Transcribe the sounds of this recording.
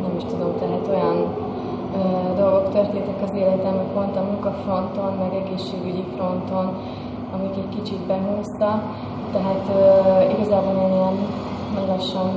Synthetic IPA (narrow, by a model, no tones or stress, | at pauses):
nɛmiʃt̪ud̪o̞mt̪ɛɦæt̪o̞jɒn | øːd̪o̞lɡo̞kt̪ørt̪eːnt̪ɛkɒzeːlɛt̪ɛmik̪pont̪ɒmuŋkɒfro̞nt̪o̞nmɛɡɛɡeːʃːeːɡyɟifro̞nt̪o̞n | ɒmikɛckit͡ʃit̪bɛɦuːst̪ɒ | t̪ːɛɦaːt̪øiɡɒzaːbolnɛɲiɛn | mɒɡɒʃɒn